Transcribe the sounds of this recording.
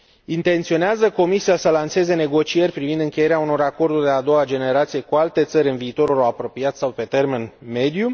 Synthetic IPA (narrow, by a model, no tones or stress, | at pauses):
int̪e̞nt̪sio̞neazəko̞misijasəlanse̞ze̞ne̞ɡo̞t͡ʃije̞rʲpɾivind̪ɨŋkʲe̞je̞ɾeauno̞ɾako̞rd̪urʲd̪e̞ad̪o̞wad͡ʒe̞ne̞ɾat̪sije̞kualt̪e̞t̪səɾʲɨnviːt̪o̞ɾulawapɾo̞piat̪sawpe̞t̪e̞rmenme̞d̪ju